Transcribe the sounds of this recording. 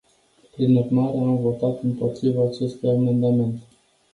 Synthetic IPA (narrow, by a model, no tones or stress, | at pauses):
pɾinurmaɾe̞amvo̞t̪at̪ɨmpo̞t̪ɾivaːt͡ʃe̞st̪ujame̞nd̪ame̞nt̪e